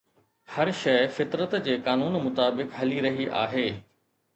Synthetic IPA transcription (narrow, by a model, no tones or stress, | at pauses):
hɐɾʃɐɪfɪt̪ɾət̪d͡ʑeːkaːnuːnmʊt̪aːbɪkɦɐliɾɐɦiʔa̰ːɦeː